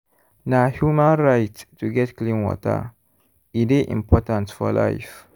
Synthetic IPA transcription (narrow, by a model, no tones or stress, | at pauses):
nahjumãnɹajttuɡɛtklĩnwɔ̰tə̰ | ideʔḭ̃mpɔtãntfɔla̰jf